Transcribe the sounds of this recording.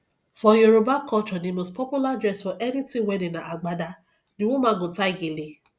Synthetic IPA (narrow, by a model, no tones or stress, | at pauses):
fɔjoɾobakɔt͡ʃɔnĩmospʰɔpjuladɾɛsfɔʔɛnĩtĩwɛdĩnãaɡ͡bada | nĩw̃ɔ̃mãːɡõtaiɡele